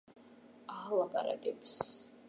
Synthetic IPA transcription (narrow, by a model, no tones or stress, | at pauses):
alˠapʼaɾa̰kʼɛbs